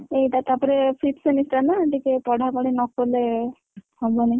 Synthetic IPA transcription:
ejʈat̪apɔɾepʰiʈsenisʈanaeʈikepɔɽʱakɔɽinɔkɔle | hɔbɔna

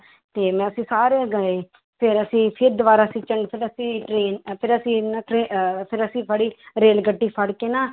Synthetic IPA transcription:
t̪eːmɛ̃ːəsĩːsaːɾeːɡəeː | pʰɪɾəsĩːpʰɪɾd̪ʋaːɾaːsĩːt͡ʃəɳɖpʰɪɾəsĩːʈɾeːnpʰɪɾəsĩːnaʈɾeːpʰɪɾəsĩːpʰəɽiːɾeːlɡəɖːiːpʰəɽkeːnaː

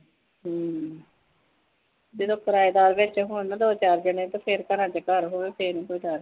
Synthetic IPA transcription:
ɦ | d͡ʒed̪õːkəɾaːed̪aːɾʋɪt͡ʃɦʊnad̪oːt͡ʃaːɾd͡ʒəɳẽːt̪ãːpʰɪɾkənãːt͡ʃːkəɾɦoːeːpʰeːɾnĩːkoːiːd̪aːɾ

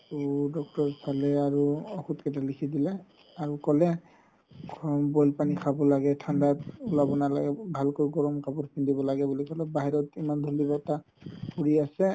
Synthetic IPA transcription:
pudɔk̚tɔɹpʰalɛaɹuɔxutkɛt̬alikʰidilɛ | aɹukɔlɛ | kmbɔjlpanikʰabɔlaɡɛtʰandatulabɔnala̰ɡɛbʱalkojɡɔɹɔmkʰabɔtpʰindibɔlaɡɛbulikɔlɛbaɦiɹɔtimand̪ʱolibɔta | puɹiasɛ

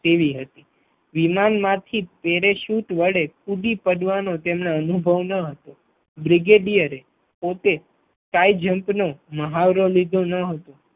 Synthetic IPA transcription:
t̪eʋiɦət̪i | ʋimanmãt̪ʰipeɾeʃuʈʋəɽekuɖipəɖʋanot̪emnaənubʱəʋnəɦət̪o | bɾiɡeɖijəɾe | pot̪e | kaid͡ʒəmpnoməɦaʋɾolid̪ʱonəɦət̪o

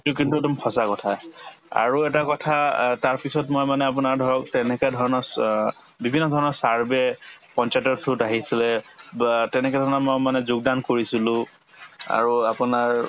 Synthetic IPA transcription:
tukintuɛdɔmxʰɔsakɔtʰa | a̰ɹuɛtakɔtʰataɹpisɔtmojmanɛap̬ʊnaɹdʱɔɹɔk̚tɛnɛkɛdʱɔɹɔnɔ | bibʱinːɔdʱɔɹɔnɔɹsaɹbɛpɔnt͡ʃatɔɹtʰʊtaɦisilɛ | tɛnɛkɛdʱɔɹɔnɔmɔjmanɛzʊɡ̚dankoɹisilʊ̃ | a̰ɹuapʊnaɹ

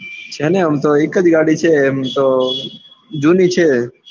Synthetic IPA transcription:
t͡ʃʰeneəmt̪oekːəd͡ʒɡaɽit͡ʃʰemt̪o | d͡ʒunit͡ʃʰe

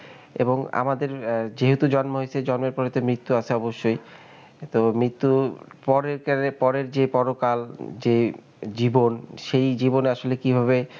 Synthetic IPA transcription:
ḛboŋa̰mad̪eɾd͡ʑeɦot̪ud͡ʑɔnmoɦoet͡ɕʰed͡ʑɔnmeɾpɔɾet̪omɾit̪ːuat͡ɕʰeɔboʃːoj | t̪omɾit̪ːupɔɾekpɔɾeɾd͡ʑepɔɾokald͡ʑe | d͡ʑibonʃejd͡ʑiboneaʃolekibʱaβe

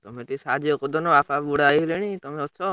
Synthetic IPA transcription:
t̪ɔmẽʈ̪isad͡ʒiɔkɔd̪ɔnɔapʰabuɽaɦileɽ̃it̪ɔmẽɔtːʃʰɔ

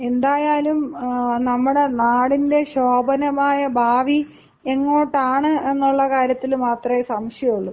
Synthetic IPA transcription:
e̞nd̪aːjaːlumnɐmːuɽe̞naːɽinde̞ɕo̞ːbɐnɐmaːjɐbʱaːʋi | e̞ŋːo̞ːʈːaːɳɨe̞nːuɭːɐkaːɾjɐt̪ːilmaːt̪rɐmesɐmʂjɐuɭːu

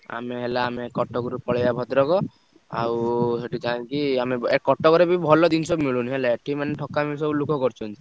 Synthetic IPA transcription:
a̰meɦelaːmekɔʈːɔkɔɾupɔɭjabʱɔt̪ɾɔkɔ | a̰wɦeʈikãkiameekɔʈːɔkɔɾebʱibʱɔlɔd̪insɔbmiɭunɦelaʈʰimaneʈʰɔkːamisɔblukʰɔkɔɾt͡ʃʰunt̪ʰ

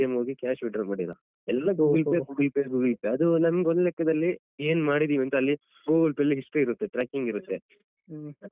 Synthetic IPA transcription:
emɦoːɡikaːʃʋiɖɐnmaːɽilɐ̰ | ɛlːɐɡuːɡɐlpeɡuːɡɐlpeɡuːɡɐlpeɐd̪unɐmɐɡeɔnd̪lɛkːɐd̪ɐlːi | eːnmaːɽid̪iːʋiɐnt̪ɐlːi | ɡuːɡɐlpɐlːiiʂʈuiɾut̪ːeʈɾaːkiŋɡiɾut̪ːe

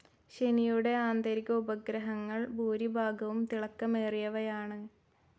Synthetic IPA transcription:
ɕenijuɽe̞aːnd̪ɐɾiɣɐubɐɡɾɐɦɐŋːɐɭbʱuːɾibʱaːɡɐʋumt̪iɭɐkːɐmeːrijɐʋɐjaːɳɨ

